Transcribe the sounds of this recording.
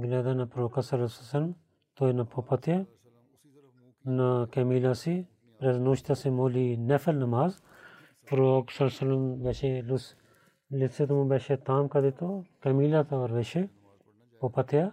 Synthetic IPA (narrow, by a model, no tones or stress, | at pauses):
ɡɪlaːd̪anɐpɾoːkɐsɐlɐsɐsɐlm | t̪oːinɐpʰopɐt̪ja | nɐkɐmiːlasi | pɾeznuːʃt̪asimoːlinɛfʰɐlnɐmaːz | pɾoːksɐlsɐlɐmbeʃelus | lɪset̪umũbɛːʃet̪aːmkɐd̪et̪okɐmiːlat̪ʰoːɾʋeːʃe | popɐt̪ja